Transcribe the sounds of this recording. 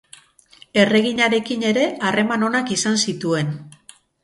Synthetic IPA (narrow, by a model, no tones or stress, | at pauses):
e̞re̞ɣiɲaɾe̞kine̞ɾe̞ʔare̞mano̞nakisansit̪ue̞n